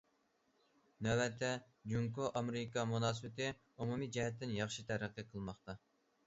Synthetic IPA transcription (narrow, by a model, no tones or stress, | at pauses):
nɛwɛt̪ʰːɛ | d͡ʒuŋkoʔɑmeɾɪkɑmunɑːsɨbɪt̪ɪ | umumid͡ʒɛɦɛt̪ːɪnjɑχʃit̪ʰæɾæqːiqʰəlˠmɑχt̪ɑ